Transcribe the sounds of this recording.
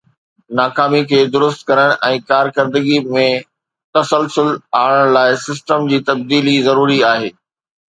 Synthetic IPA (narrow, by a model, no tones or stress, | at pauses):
naːkaːmikʰeːd̪ʊɾʊst̪kɐɾəɽ̃ʔɛ̃ːkaːɾkɐɾd̪əɡimẽ | t̪ɐsəlsʊlaːɽəɽ̃laːɪsɪsʈəmd͡ʑiːt̪ɐb̚d̪iːlizɐɾuːɾiaːɦeː